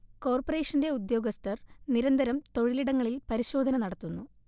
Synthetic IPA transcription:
ko̞ːrpɐre̞ːʂɐnde̞ud̪jo̞ːɡɐst̪ɐrniɾɐnd̪ʱɐɾɐmt̪o̞ɻiliɽɐŋːɐɭilpɐɾiɕo̞ːd̪ʱɐnɐnɐɽɐt̪ːunːu

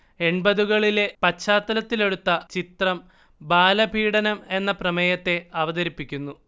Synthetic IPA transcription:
e̞ɳbɐðuɣɐɭile̞pɐt͡ɕːaːt̪ːɐlɐt̪ːile̞ɽut̪ːɐt͡ɕit̪rɐm | baːlɐbʱiːɽɐnɐme̞nːɐprɐmɐjɐt̪ːe̞ɐʋɐðɐɾipːikʲːunːu

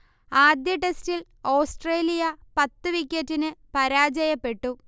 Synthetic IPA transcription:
aːd̪jɐʈe̞stil | oːsʈreːlijɐpɐt̪ːɨʋikʲːetːinɨpɐɾaːd͡ʑɐjɐpːe̞ʈːu

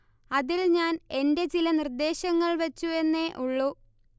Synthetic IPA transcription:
ɐðilɲaːne̞nde̞t͡ɕilɐnird̪e̞ːɕɐŋːɐɭʋɐt͡ɕːue̞nːeʔuɭːu

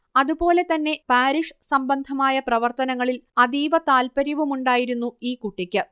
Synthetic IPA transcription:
ɐðupo̞ːle̞t̪ɐnːe̞paːɾiʂsɐmbɐnd̪ʱɐmaːjɐprɐʋɐrt̪ɐnɐŋːɐɭilɐd̪iːʋɐt̪aːlpɐɾiʋumuɳɖaːjiɾunːuiːkuʈːikʲːɨ

